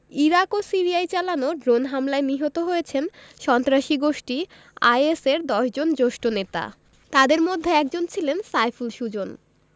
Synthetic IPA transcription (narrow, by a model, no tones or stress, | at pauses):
iɾakosiɾiajt͡ɕalanoɖɾonɦamlaeniɦot̪oɦojet͡ɕʰen | ʃɔnt̪ɾaʃiɡoʃʈi | a̰jeseɾd̪ɔʃd͡ʑond͡ʑoʃʈonet̪a̰ | t̪ad̪eɾmod̪ʱːeɛk̚d͡ʑont͡ɕʰilensajfulʃud͡ʑon